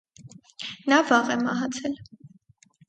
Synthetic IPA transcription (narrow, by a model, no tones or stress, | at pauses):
nɑvɑʁɛmɑɦɑt͡sʰɛl